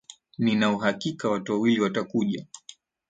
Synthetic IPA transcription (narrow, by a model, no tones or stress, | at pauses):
ninauɦakikawatuwawiliwatakuʄa